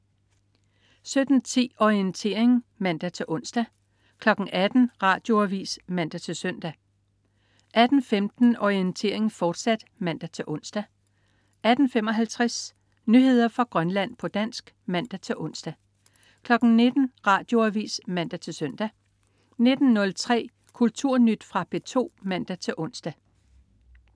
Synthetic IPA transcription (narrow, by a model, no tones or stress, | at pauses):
sød̥n̩t͡sʰḭːɒient͡sʰe̝̰ːɐ̰eŋmæn̰d̥æt͡sʰe̝lʔɔ̽n̰sd̥æ | kʰlɒ̽ɡ̥n̩ʔæd̥n̩ʁɑ̈ːd̥jo̝æʋḭːsmæn̰d̥æt͡sʰe̝lsœn̰d̥æ | ʔæd̥n̩femd̥n̩ɒient͡sʰe̝̰ɐ̰e̝ŋ̩fɒːd̥sæd̥mæn̰d̥æt͡sʰe̝lʔɔ̽n̰sd̥æ | ʔæd̥n̩fem̰ɒ̽ɦælt͡sʰʁas | nyɦe̝ð̞̰ˠɐfʁɑ̈ɡ̥ʁɶnlæn̰pʰɒ̽d̥æn̰sɡ̥ | mæn̰d̥æt͡sʰe̝lʔɔ̽n̰sd̥æ | kʰlɒ̽ɡ̥n̩ne̝d̥n̩ʁɑ̈ːd̥jo̝æʋḭːsmæn̰d̥æt͡sʰe̝lsœn̰d̥æ | ne̝d̥n̩ːɔ̽lt͡sʰʁɛ̰ː | kʰult͡sʰuɐ̰nyd̥fʁɑ̈b̥e̝t͡sʰo̝̰ːmæn̰d̥æt͡sʰe̝ʔɔ̽n̰sd̥æ